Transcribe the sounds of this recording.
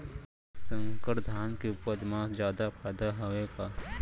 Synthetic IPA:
sə̃ŋkəɾd̪ʱaːnkiʊpəd̪mãːsd͡ʒjaːd̪apʰɛːd̪aɦoʋekaː

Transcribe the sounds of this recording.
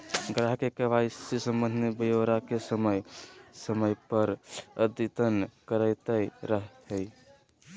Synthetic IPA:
ɡɾaɦkekəʋaisisəmːə̃nd̪ʱnebəjoɾakesəməjsəməjpəɾəd̪it̪ənkəɾəɪt̪əjɾəɦəj

